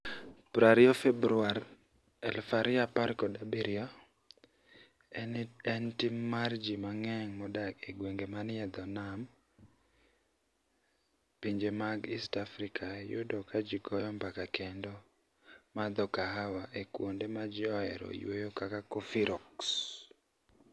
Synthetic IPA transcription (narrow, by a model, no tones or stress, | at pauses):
pɾaɾɪofebɾʊaɾ | ɛlfaɾɪapaɾkɔdabiɾiɔ | ɛnɛntimːard͡ʒimaŋɛŋmɔdakeɡweŋɡemanɪɛd̪ɔnam | piɲd͡ʒemaɡistafɾikʰajʊ̰dɔkad͡ʒiɡɔjɔmbakakendɔ | mad̪ɔkaɦawaʔekwondemad͡ʒɪɔɛɾɔ̰jwojokakakofiɾɔks